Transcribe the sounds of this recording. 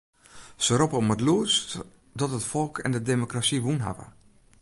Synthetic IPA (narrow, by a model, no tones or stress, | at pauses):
səɾɔpəmətluəst | dɔtətfɔlˠkʰɛ̰ndədemokrasiʋunɦa̰və̰